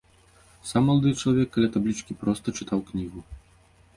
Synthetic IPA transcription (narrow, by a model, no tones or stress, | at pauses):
samːɔlˠad̪ɨt͡ʂlˠavʲɛkːalʲat̪ablʲit͡ʂkʲipɾɔst̪ɐt͡ʂɨt̪ʰawknʲiɣu